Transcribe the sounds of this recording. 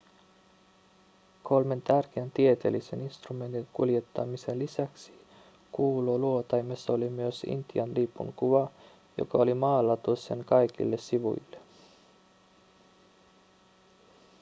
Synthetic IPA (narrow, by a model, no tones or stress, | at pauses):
kʰo̞lme̞nt̪ærk̟eænt̪ie̞t̪e̞̰lise̞ninst̪rume̞nt̪iŋkulje̞t̪ːɑ̰mise̞nlisæksi̥ | kuːloluo̞t̪ɑjmesːɑolimyøsḭnt̪iɑnliːpːṵŋkuʋɑ | jo̰kɑolimɑːlːɑt̪uesenkɑjkḭlːe̞siʋṵjlːe